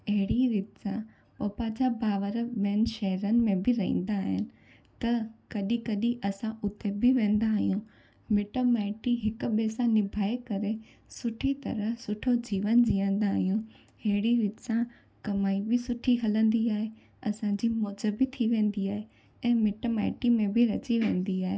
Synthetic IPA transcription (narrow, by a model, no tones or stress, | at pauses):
ɐɦɪɽiɾiːt̪sã | poːpad͡ʑabaːʋəɾɓɛːnʃɐɦɾənɪ̆mẽbɪɾɐɦḭ̃ːn̆d̪aːɦɪnɪ̆ | t̪ɐkɐɗikɐɗĩʔɐsãʔʊt̪ebɪʋẽːn̆d̪aːɦijũ | mɪʈomaːɪʈiɦɪkʊ̆ɓeːsãnɪbʱaːekɐɾe | sʊʈʰit̪ɐ̰ɾəɦsʊʈʰod͡ʑiːʋənd͡ʑiːə̃nd̪aːɦijũ | hɐɦɪɽiɾɪt̪sã | kɐmaːibɪsʊʈʰiɦɐlə̃nd̪iaːɦe | ɐsãd͡ʑiːmoːd͡ʑəbɪt̪ʰiʋẽːnd̪iaːɦe | ɛ̃ːmɪʈoma̰ːɪʈimẽbɪɾɐt͡ɕiʋẽːn̆d̪iaːɦeː